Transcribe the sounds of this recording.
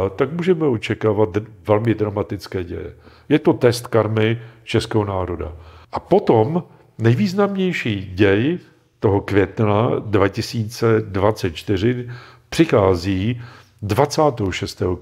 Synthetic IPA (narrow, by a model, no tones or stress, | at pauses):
t̪akmuːʒɛmɛot͡ʃɛkaːvat̪̚vɛlmɪdɾamat̪ɪt͡skɛːɟɛ̰jɛ̰ | jɛt̪o̞t̪ɛst̪kaɾmɪt͡ʃɛskɛːɦonaːɾo̞da̰ʔapo̞t̪om | nɛjviːznamɲɛjʃiːɟɛj | t̪o̞ɦo̞kvjɛt̪nadvacɪsiːt͡sɛdvatt͡sɛt̪̚t͡ʃt̪ɪr̝ɪpr̥ɪxaːziː | dvat͡saːt̪ɛɦoʃɛst̪ɛːɦo